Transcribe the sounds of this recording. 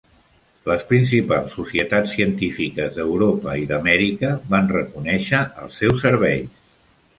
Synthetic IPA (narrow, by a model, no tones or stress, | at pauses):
ləspɾins̬ipalˠsːusiət̪at͡ssːiənt̪ifikəzðəwɾopəiðəmɛɾikəβanrəkunɛʃəʔə̰lˠsːɛwsːəɾβɛʎs